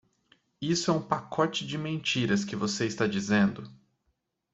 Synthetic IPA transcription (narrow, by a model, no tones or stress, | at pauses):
isʊɛũpakʰɔt͡ʃɪd͡ʒɪmẽt͡ʃiɾɐskɪvoseist̪ad͡ʒizẽnd̪ʊ